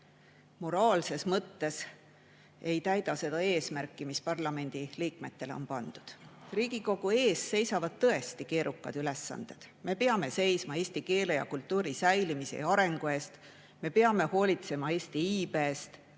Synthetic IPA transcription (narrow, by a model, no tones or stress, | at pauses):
mo̞ɾɑːlse̞smɤt̪ːe̞s | e̞jt̪æjd̪̥ɑse̞d̪ɑe̞ːsmærkːˑimispɑrlɑme̞nʲd̪̥iliːkme̞t̪ːe̞leo̞̰npɑnd̪̥ud̪̥riːɡ̥iko̞ɡ̥ue̞ːsːe̞jsɑvɑd̪̥̚t̪ɤ̞e̞st̪ike̞ːɾʔukːˑɑ̰d̪̥yle̞sːɑ̰nd̪̥e̞d̪̥ | me̞peɑme̞se̞jsmɑe̞ːsʲt̪ike̞ːlejɑ̰kult̪ˑːuːɾisæjlimisḛɑɾe̞ŋɡ̥ue̞ːst̪ | me̞peɑme̞ho̞ːlʲit̪se̞mɑe̞ːst̪iiːbe̞ːst̪